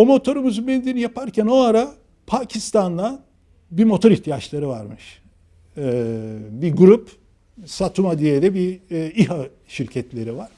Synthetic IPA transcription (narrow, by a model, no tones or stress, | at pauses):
omo̞t̪ʰo̞ɾumuzubenid̪enijapʰaɾcʰæno̞aɾa | pʰacʰist̪and̪ˠa | bimo̞t̪ʰo̞ɾiht̪ʰijat͡ʃlˠaɾɯva̰ɾmɯʃ | biɡuɾup | sat̪ʰumad̪ijeɾɛbiiɦa | ʃiɾcʰɛt̪ʰlʲe̞ɾivaɾ̥